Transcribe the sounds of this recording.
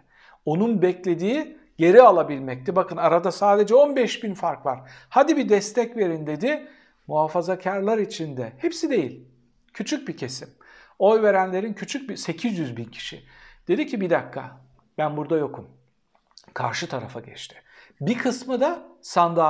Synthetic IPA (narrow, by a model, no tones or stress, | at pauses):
o̞nunbɛclʲe̞d̪iː | je̞ɾialˠabilʲmɛc̚t̪ʰɛbakʰɯnaɾad̪asaːd̪e̞d͡ʒɛo̞nbɛʃbinfaɾkvaɾ̥had̪ibid̪ɛst̪ʰɛcve̞ɾind̪e̞d̪ɪ | muɦaːfazacʰaɾlˠaɾit͡ʃʰind̪ɛhɛpsid̪e̞jilʲ | cʰyt͡ʃʰyc̚bicʰe̞sim | o̞jve̞ɾænlʲe̞ɾincʰyt͡ʃʰyc̚bise̞cʰizjyzbincʰi̥ʃid̪̥e̞d̪icʰibid̪akʰːa̰ | b̥ænbuɾd̪ajo̞kum | kʰa̰ɾʃɯt̪ʰaɾa̰faɟɛ̰t͡ʃt̪ʰɪ̥ | bikʰɯsmɯd̪asand̪a